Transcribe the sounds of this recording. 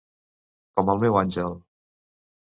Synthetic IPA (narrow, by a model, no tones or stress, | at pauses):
kɔməlˠmɛwanʒəlˠ